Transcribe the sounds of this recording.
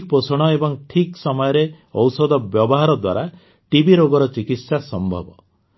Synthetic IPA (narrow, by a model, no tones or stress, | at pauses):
k̚posɔɽ̃ɔebɔŋʈʰiksɔmɔjɔɾe | ɔwsɔd̪ɔbjɔbɔɦaɾɔd̪wa̰ɾa | ʈibiɾoɡɔɾɔt͡ʃikit̪sasɔmbʱɔbɔ̰